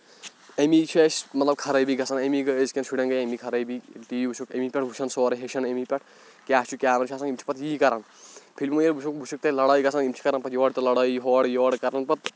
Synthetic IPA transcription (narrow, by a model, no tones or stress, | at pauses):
emiːt͡ʃʰiʃmɐt̪lɐb̚kʰɐɾɐːbiɡɐsʰɐnemiɡɨeskʲenʃʰuɽʲɐnɡɐjemikʰɐɾɐjbit̪iːibut͡ʃʰukɐ̰mipʲɛʈʰbʱut͡ʃʰʃʰɐnsoːɾɐɦeʃʰɐnemipʲɐʈ̚ʰ | kʲaːst͡ʃʰukʲaːɾɐnt͡ʃʰaːsɐnimt͡ʃʰi̥pɐt̪ʰjiːkɐɾɐn | pʰilmujelbut͡ʃʰukbʱut͡ʃʰuk̚t̪elɐɽɐːjɡɐsʰɐnimt͡ʃʰi̥kɐɾɐnpɐt̪ʰjɔːɽt̪ɐlɐɽɐːiɦɔːɽjoːɽkɐɾɐnpɐt̪̚